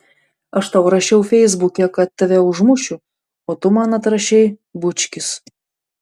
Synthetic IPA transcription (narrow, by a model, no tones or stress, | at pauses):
ɐʃt̪ɑˑʊɾɐʃʲɛʊfʲɛɪzbʊkʲɛkɐt̪t̪ʲːɐʋʲɛʊʒmʊʃʲʊ | oːt̪ʊmɑːnɐt̪ɾɐʃʲɛɪbʊt͡ʃʲkʲɪs